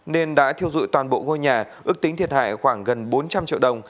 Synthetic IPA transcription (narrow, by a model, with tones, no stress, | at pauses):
ne˧nɗa̰ː˧˥t̪ʰi˧əwzṵ˧˨t̪waː˨˩nɓo̰˧˨ŋo˧jɲaː˨˩ʔɨ˦˥ək̚t̪ï˨˦ŋt̪ʰi˨˩ət̚ha̰ː˧˨jxwaː˧˩ŋɣə˨˩nɓo˨˦nt͡ɕa˧mt͡ɕḭ˧əwɗə˨˩wŋ͡m